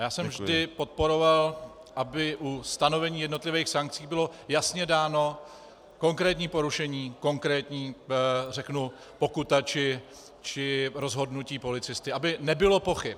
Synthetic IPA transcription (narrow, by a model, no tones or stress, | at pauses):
jaːsɛmmvʒdɪpo̞t̪̚po̞ɾo̞val | ʔabɪʔust̪ano̞vɛɲiːjɛdno̞t̪lɪvɛːjxsaŋk̚t͡siːbɪlo̞jasɲɛdaːno̞ | ko̞ŋkɾɛːt̪ɲiːpo̞ɾuʃɛɲiːko̞ŋkɾɛːt̪ɲiːrɛknu | po̞kut̪at͡ʃɪ | t͡ʃɪɾo̞zɦo̞dnuciːpo̞lɪt͡sɪst̪ɪʔabɪnɛbɪlo̞po̞xɪp̚